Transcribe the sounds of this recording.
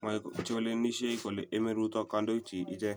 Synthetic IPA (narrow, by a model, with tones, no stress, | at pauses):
ma˨t͡ʃo˦le˦ni˦ʃe˦i˦ko˨le˨ʔe˦me˦ɾu˦t̪ɔ˦ka˦ndo˦t͡ʃi˨ʔɪ˦d͡ʒɛ˦